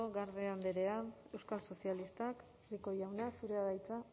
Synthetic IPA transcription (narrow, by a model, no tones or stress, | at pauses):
oɣaɾðeand̪eɾe̞ae̞wskalso̞sialist̪ak | riko̞jawnasuɾeaðajt͡sa